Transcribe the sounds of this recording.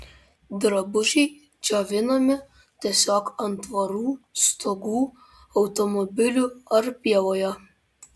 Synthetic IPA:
d̪ɾɐbʊʒʲɛɪ | d͡ʒʲoːʋʲɪnoːmʲɪ | t̪ʲiɛsʲoːkɐnt̪ʋɐɾuːst̪oɡuː | ɐʊt̪ɔmɔbʲɪlʲuːɐɾpʲiɛlˠoːjo

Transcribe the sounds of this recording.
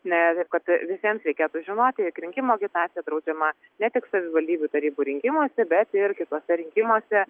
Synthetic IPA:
nʲɛt̪ɐɪp̚kɐt̪ʋʲɪsʲiɛmsɾʲɛɪkʲeːt̪uʒʲɪnoːt̪ʲɪjɪkɾʲɪŋʲkʲɪmoːɐɡʲɪt̪ɑːɪjɛd̪ɾɐʊd͡ʒʲɛmɐ | nʲɛt̪ʲɪksɐʋʲɪʋɐlʲd̪ʲiːbʲut̪ɐɾʲiːbuːɾʲɪŋʲkʲɪmoɔsʲɛbʲɛt̪ɪrkʲɪt̪oːsʲɛɾʲɪŋʲkʲɪmoːsʲɛ

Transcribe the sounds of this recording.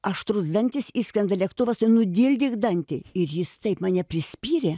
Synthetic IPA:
ɐʃt̪ɾʊzd̪ɐnʲt̪ʲɪsiːsʲkʲɐnd̪ɐlʲɛkt̪ʊʋɐsnʊd̪ʲiːlʲd̪ʲɪɡd̪ɐnʲt̪ʲeɪɾjɪst̪ɐɪpmɐːnʲɛpʲrʲɪsʲpʲiːɾʲe

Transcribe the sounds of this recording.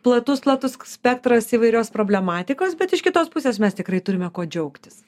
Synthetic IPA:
plˠɐt̪ʊsplˠɐt̪ʊssʲpʲɛk̚t̪ɾɐsiːʋɐɪɾʲoːspɾoːbʲlʲɛmɑːt̪ʲɪkoːsbʲɛt̪ɪʃkʲɪt̪oːspʊsʲeːsmʲɛst̪ʲɪkɾɐɪt̪ʊɾʲɪmʲɛkoːd͡ʒʲɛʊkt̪ʲɪs

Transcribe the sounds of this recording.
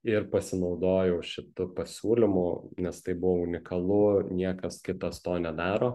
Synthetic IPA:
ɪɾpɐsʲɪnɐʊd̪oːjɛʊʃʲɪt̪ʊpɐsʲuːlʲɪmʊnʲɛst̪ɐɪbʊʋoːʊnʲɪkɐlˠʊnʲiɛkɐskʲɪt̪ɐst̪oːnʲɛd̪ɑːɾoː

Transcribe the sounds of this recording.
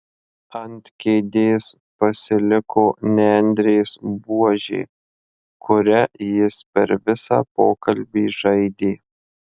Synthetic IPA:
ɐnʲt̪ʲkʲeːd̪ʲeːs | pɐsʲɪlʲɪkoːnʲɛɛnʲd̪ʲɾʲeːsbuɔʒʲḛː | kʰʊɾʲɛjɪspʲɛɾʋʲɪsɑ̰ːpoːkɐlʲbʲiːʒɐɪd̪ʲeː

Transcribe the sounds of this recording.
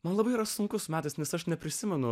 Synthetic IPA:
mɐnlˠɐbɐɪiːɾɐsʊŋkʊsmʲæːt̪ɐsnʲɛsɐʃnʲɛpʲɾʲɪsʲɪmʲɛnʊ

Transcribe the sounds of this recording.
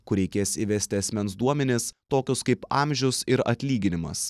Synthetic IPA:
kʊɾʲɛɪkʲeːsiʋʲɛsʲt̪ʲɪɐsʲmʲɛnsd̪uɔmʲɛnʲɪst̪oːkʲʊskɐɪpɑːmʲʒʲʊsɪɾɐ̰t̪ʲlʲiːɡʲɪnʲɪmɐ̰s

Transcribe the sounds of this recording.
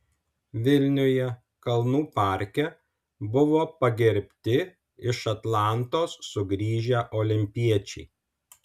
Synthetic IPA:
ʋʲɪlʲnʲʊjɛ | kɐlˠnuːpɑˑɾʲkʲɛ | bʊʋoːpɐɡʲɛɾʲpʲt̪ʲɪ | ɪʃɐt̪lˠɑˑnt̪oːsːʊɡɾʲiːʒʲæʔoːlʲɪmʲpʲiɛt͡ʃʲɛɪ

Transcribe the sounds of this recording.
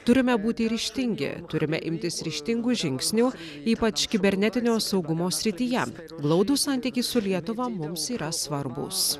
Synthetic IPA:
t̪ʊɾʲɪmʲɛbuːt̪ʲɪɾʲɪʃʲt̪ʲɪŋʲɡʲɪ̰t̪ʊɾʲɪmʲɛ̰ʔɪmʲt̪ʲɪsɾʲɪʃʲt̪ʲɪŋɡuːʒʲɪŋʲksʲnʲuː | iːpɐt͡ʃkʲɪbʲɛɾʲnʲɛt̪ʲɪnʲoːsɒʊɡʊmoːsʲɾʲɪt̪ʲijɛ | ɡlˠɒʊd̪uːsɑˑnʲt̪ʲikʲiːsʊlʲiɛt̪ʊʋɐmʊmsiːɾɐsʋɐɾbʊ̰s

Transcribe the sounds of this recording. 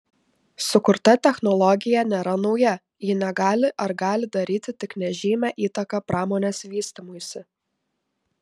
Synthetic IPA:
sʊkʊɾt̪ɐt̪ʲɛxnɔlˠɔɡʲɪjɛnʲeːɾɐnɒʊjɛ | jɪnʲɛɡɑːlʲɪʔɐɾɡɑːlʲɪd̪ɐɾʲiːt̪ʲɪt̪ʲɪknʲɛʒʲiːmʲɛʔiːt̪ɐkɑpɾɑːmɔːnʲesʋʲiːsʲt̪ʲɪmoːjsʲɪ

